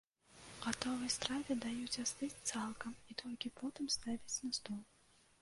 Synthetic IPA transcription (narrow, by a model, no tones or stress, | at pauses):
ɣat̪ɔvɨjst̪ɾavʲɛd̪ajut͡sʲast̪ɨt͡sʲt̪salˠkɐmit̪ʰɔlʲkʲipɔt̪ɨmst̪avʲit͡sʲnɐst̪ɔlˠ